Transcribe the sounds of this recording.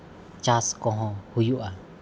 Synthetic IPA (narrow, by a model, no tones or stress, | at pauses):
t͡ʃaskɔ̃ɦɔ̃hujuʔa